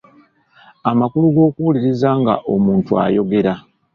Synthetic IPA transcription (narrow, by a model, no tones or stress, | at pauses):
amakuluɡo̞ːkuwuliɾizaːŋɡa̰ʔo̞muːntua̰jo̞ɡe̞ɾa